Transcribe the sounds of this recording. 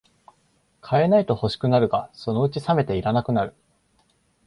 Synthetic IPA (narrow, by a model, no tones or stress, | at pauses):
kʰae̞nait̪o̞ho̞ɕi̥kɯ̟naɾɯ̟ɡaso̞no̞ɯ̟t͡ɕisame̞t̪e̞iɾanakɯ̟naɾɯ̟